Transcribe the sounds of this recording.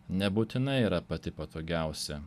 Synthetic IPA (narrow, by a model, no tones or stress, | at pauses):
nʲɛbuːt̪ʲɪnɐɪiːɾɐpɐt̪ʲɪpɐt̪oːɡʲæˑʊsʲɛ